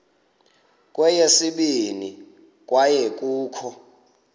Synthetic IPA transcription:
kʼwɛjesiɓini | kʼwajɛk̬ʼuːkʰɔ

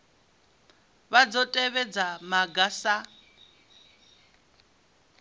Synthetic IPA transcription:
βad͡zɔtʼɛβɛd͡zamaɡasa

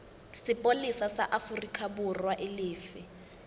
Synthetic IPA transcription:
sɪpʼolisasaʔafurikʰʼabʊrwaʔɪlɪːfɪ

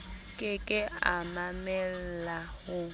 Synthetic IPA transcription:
kʼɪkʼɪamamɛl̩lahʊ

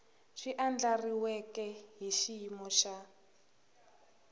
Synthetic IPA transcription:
ʂiʔand͡ɮariwɛkɛɦiʃimɔʃa

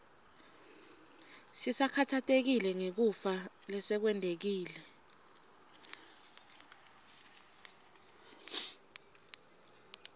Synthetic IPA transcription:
sisakʰatʰatʼek̬ilɛŋek̬ufalɛsɛk̬wɛndʱek̬iːlɛ

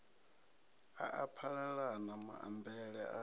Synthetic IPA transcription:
aʔapʰaɺaɺanama̰a̰mbʱɛɺɛ̰a̰

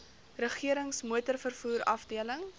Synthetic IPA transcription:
rəχiəɾəŋsmuətərfərfuːɾɐfdiələŋ

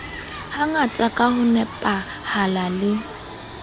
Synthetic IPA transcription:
haŋat͡sʼakʼahʊnɛpʼa | halalɪ

